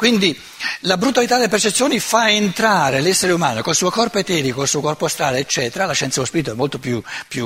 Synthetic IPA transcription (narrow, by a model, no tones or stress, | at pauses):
kwind̪i | labɾut̪alit̪ad̪elepert͡ʃet̪sːjoːnifaent̪ɾaːɾelɛsːeɾeumaːnokolsuːokɔrpoet̪ɛːɾikolsuːokɔrpost̪ɾaːleːt͡ʃːɛːt̪eɾalaʃɛnt̪aospiɾit̪oɛmːolt̪opjupju